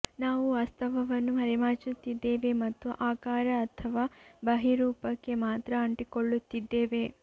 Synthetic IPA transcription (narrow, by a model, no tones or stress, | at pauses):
naːʋuʋɐst̪ʰɐʋɐʋɐnːuɦɐɾimaːt͡ʃut̪ːid̪ːeːʋe̞mɐt̪ːuʔaːkaːɾɐːɐt̪ʰɐʋaːbɐɦiɾuːpɐkːe̞maːt̪ɾɐɐɳʈikoɭːut̪ːid̪ːeːʋe̞